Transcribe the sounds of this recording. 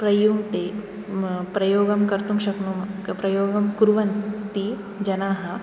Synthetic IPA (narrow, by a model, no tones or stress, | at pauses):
pɾɐjumt̪e | pɾɐjoːɡɐmkɐɾt̪umʃɐknuːmpɾɐjoːɡɐmkuɾʋɐnt̪i | d͡ʒɐnaːɦɐ